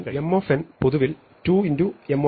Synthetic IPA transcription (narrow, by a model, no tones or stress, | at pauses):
emːoːfenpoðuʋil | tuːinduemːo